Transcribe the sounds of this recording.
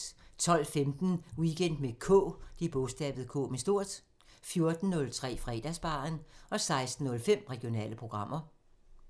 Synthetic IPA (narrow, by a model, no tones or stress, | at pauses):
t͡sʰɒ̽l̰femd̥n̩wiɡ̥en̰d̥mekʰɔ̰ːd̥ib̥ɔsd̥ɛ̰ːb̥ð̩ˠkʰɔ̰ːmesd̥o̝ɐ̰d̥ | fjo̝ɐd̥n̩ːɔ̽lt͡sʰʁɛ̰ːfʁɛ̰ːd̥æsb̥ɑ̈ːnɒ̽sɑ̈ɪsd̥n̩ːɔ̽lfem̰ʁɛɡ̥io̝nɛ̰ːləpʰʁo̝ɡ̥ʁɑ̈m̰ʔɐ